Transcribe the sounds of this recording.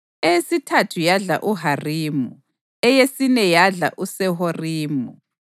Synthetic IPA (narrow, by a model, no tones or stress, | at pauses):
ɛsitʰatʰujaɮa̰ʔuɦariːmu | ɛjesinɛjaɮa̰ʔusɛɦoriːmu